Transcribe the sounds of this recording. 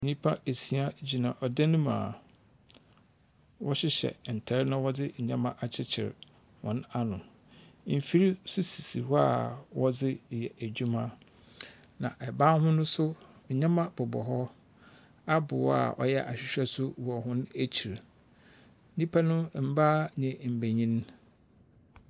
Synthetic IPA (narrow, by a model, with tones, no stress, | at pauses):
ɲĩ˦pʰa˦e˨si˨a˦d͡ʑi˨nã˨ʔɔ˨da˦nũ˦mã̰ː˨ | wɔ˦ɕɪ˦ɕɛ̰˨n̩˨tʰɛ˨ɾnã˦wɔ˦d͡zɪ˦ɲ̩˨ɲã˦mã˦ʔa˨t͡ɕʰɪ˦t͡ɕʰɪ̰˨ɾ | wɔ̰̃˨na˦nʊ̰̃˨ | m̩˨fi˦ɾi˦sʊ˦si˨si˨wa˨wɔ˦d͡zɪ˦˨jɛ˨ʔæ˨d͡ʑᶣu˦mã˦ | nã̰˨ʔɛ˨bã˦nɦʊ̃˦nʊ̃˦sʊ˦ | ɲ̩˨ɲã˦mã˦bʊ˨bɔ̰˨ɦɔ˦ | a˦bʊ̰˨wa̰˨ʔɔ̰˨jɛ˦ʔa˨ɕᶣɪ˨ɕᶣɛ˦sʊ˦wɔ˨ɦʊ̃˦næ˦t͡ɕʰi˨ɾ | n̩˦nĩ˦pʰa˦nʊ̃˦m̩˦baː˦ɲɛ̃˨m̩˨bæ˨ɲĩ˦n˦